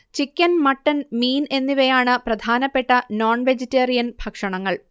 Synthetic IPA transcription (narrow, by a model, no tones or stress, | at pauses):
t͡ɕikʲːɐnmɐʈːɐnmiːne̞nːiʋɐjaːɳɨprɐd̪ʱaːnɐpːe̞ʈːɐnoːɳʋed͡ʑitːeːrijɐnbʱɐkʂɐɳɐŋːɐɭ